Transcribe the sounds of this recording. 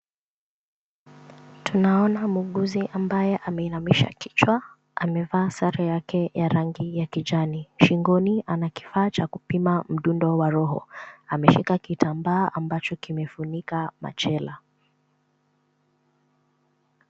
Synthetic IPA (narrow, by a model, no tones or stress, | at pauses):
tunaɔnamuɠuziʔambajɛʔamɛinamiʃa̰ki̥t͡ʃwa | a̰mɛvaːsaɾajakɛjaɾaŋɡijakiʄaniʃiŋɡɔnianaki̥faːt͡ʃakupimam̩ɗundɔwaɾɔɦɔ̰amɛʃikakitambaːʔambat͡ʃɔkimɛfunikama̰t͡ʃɛla